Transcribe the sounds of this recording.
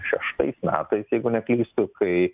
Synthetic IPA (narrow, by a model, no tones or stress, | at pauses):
ʃʲɛʃt̪ɐ̰ɪsmʲæ̰ːt̪ɐɪsjɛɪɡʊnʲɛklʲiːst̪ʊkɐɪ